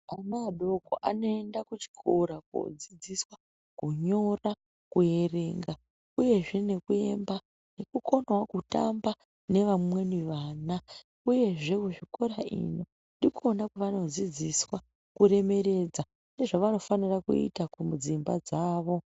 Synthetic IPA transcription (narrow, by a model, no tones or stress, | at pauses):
amaɗoko̰ʔano̞e̞ndakut͡ʃi̥kʰoɾako̰d͡zid͡ziswa | kuɲo̞ra | kuje̞re̞ːŋɡa | uje̞ʐe̞ne̞kue̞̰mba | ne̞kuko̞nwakuta̰mba | ne̞ʋamwe̞niʋaːna | uje̞ʐe̞kuʐiko̞ɾaḭno̞ | ndikonakuʋano̞d͡zid͡ziswa | kuɾe̞me̞ɾe̞d͡za | ne̞ʐaʋano̞fanirakṵḭtakumud͡zimbad͡zaːʋo̞